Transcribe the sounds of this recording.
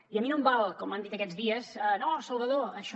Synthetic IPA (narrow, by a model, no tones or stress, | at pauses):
iəminõmbalˠkɔmːənd̪it̪əkɛd͡zðiəzənosəlˠβəðoəʃ